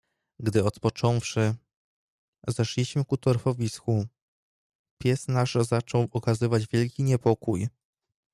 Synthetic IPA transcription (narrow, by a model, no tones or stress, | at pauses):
ɡd̪ɘɔt̪pɔt͡ʂɔ̃w̃fʂɘ | zɛʂlʲiɕmɘkut̪ɔɾfɔvʲisku | pʲjɛsnaʐzat͡ʂɔwɔkazɘvad͡ʑvʲjɛlkʲiɲɛpɔkuj